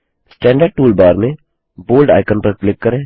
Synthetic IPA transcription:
sʈɛ̃ːɳɖəɾɖ̚ʈuːlbaːɾmẽ | boːlɖa̰ːɪkənpɐɾklɪkːɐɾẽː

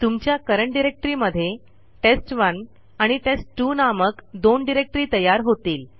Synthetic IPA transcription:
t̪umt͡ɕjakəɾəɳʈɖiɾek̚ʈɾiməd̪ʱːje | ʈesʈʋən | aɽ̃iʈesʈːunaməkd̪onɖiɾek̚ʈɾiːt̪əjaɾɦot̪iːl

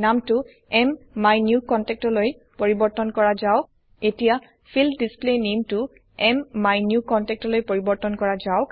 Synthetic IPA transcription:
namtʊ | ɛmːajnjukɔntɛk̚tɔloj | poɹibɔɹtɔnkɔɹazaʊ | etija | fʰildisplenemtʊ | ɛmːajnjukɔntɛk̚tɔlojpoɹibɔɹtɔnkɔɹazaʊk

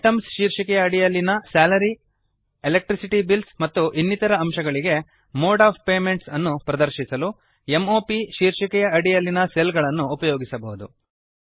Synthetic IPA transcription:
ʈɐmsʃiːɾʂikɛjɐːɽijɐlːinɐsaːlɐɾi | elek̚ʈɾisiʈibilsmɐt̪ːuʔinːit̪ɐɾɐːmʃɐɡɐɭiɡe̞ | moːɖaːppeːme̞ɳʈsɐnːupɾɐd̪ɐɾʃisɐlu | e̞moːpiʃiːɾʂikɛjɐɐɽijɐlːinɐselɡɐɭɐnːuːpɐjoːɡisɐbɐɦud̪ṵ

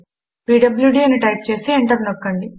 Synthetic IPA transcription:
piːɖɐbljuɖiːɐniʈɐjp̚t͡ʃe̞ːsieɳʈɐɾnokːɐɳɖi

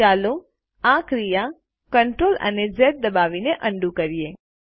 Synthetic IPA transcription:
aːlo | ãkɾija | kəɳʈɾoːlɐ̰ned͡ʒɛːt̪̚d̪ɐbaːʋineʔɐ̃ɳɖukəɾijeː

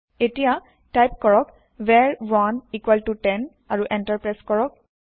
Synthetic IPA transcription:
etija | tajp̚kɔɹɔk | vɛɹɹɔnikwaltutɛn | aɹuʔɛntaɹpɹajskɔɹɔk̚

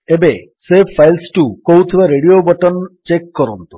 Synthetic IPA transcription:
ebe | sepʰajlsʈukoɦut̪ʰibaɾeɽiobɔʈɔnt͡ʃekːɔɾɔnt̪u̥

